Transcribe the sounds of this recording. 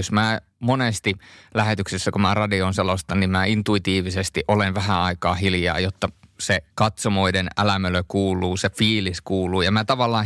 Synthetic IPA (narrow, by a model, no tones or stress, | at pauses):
josmæː | monest̪ilæhet̪yksesːækumæːrɑdionselost̪ɑnimmæːint̪uit̪iːʋisest̪iʔolenʋæhæɑikɑːhiljɑ̰ːjot̪ːɑsekɑt̪somoidenæ̰læmeløkuːlˑuːsefiːliskuːluːjɑmæːt̪ɑʋɑlːɑː